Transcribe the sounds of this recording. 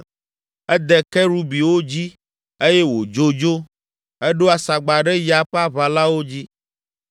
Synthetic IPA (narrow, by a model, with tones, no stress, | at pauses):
ɛ˦d̪ɛ˨kɛ˦ɾu˦bi˨wo˦d͡ʑi˦ | e˦jɛ˦wo˨d͡ʒo˦d͡ʒo˦ | ɛ˦ɖo˦a˨sa˨ɡ͡ba˨ɖɛ˦ja˨ɸa˦βa˨la˦wo˦d͡ʑi˦